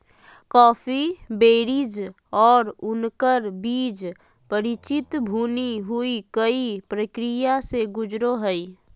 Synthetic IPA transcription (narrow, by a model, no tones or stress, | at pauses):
kɔːpʰibeːɾid͡ʒ | ɔːɾʊnkəɾbiːd͡ʒ | pəɾit͡ʃɪt̪bʱuːniɦuikəipɾəkɾijaseɡʊd͡ʒɾoɦəi